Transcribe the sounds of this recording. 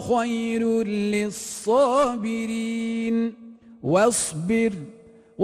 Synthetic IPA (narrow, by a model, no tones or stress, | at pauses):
xajɾlɪsˤːɑːbɪɾiːnwasˤbɪɾ | w